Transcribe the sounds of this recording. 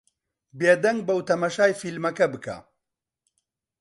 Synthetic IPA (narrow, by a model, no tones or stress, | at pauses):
beːd̪ɐŋɡ̚bɐwt̪ʰɐmɐʃaːjfilmɐkɐbɨkʰa̰ː